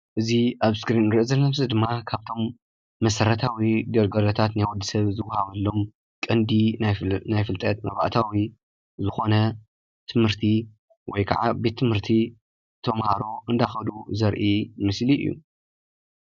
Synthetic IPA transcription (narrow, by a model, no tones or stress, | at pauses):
ʔɨziaβskɾinɾɨʔɨzɐlːɐmzɨd̪ɨmːakʰaβt̪ʰo̞mː | ɐsɐɾɐt̪ʰawid̪ɐɾɡɐlot̪ʰat̪najwud̪isɐβzɨwɐhaβɐlːo̞m | kʼɐnd̪innajfɨlt̪ʼɐt̪mɐ̰βa̰ʔt̪ʰawi | zɨxo̞nɐ | t̪ʰɨmhɨɾt̪ʰi | wɔjkʰa̰ʕa̰be̞t̪ʰːɨmhɨɾt̪ʰi | t̪ʰɐmhaɾo̞ʔɨnd̪ajxɐd̪uzɐɾʔimɨsliɨ̰jːṵ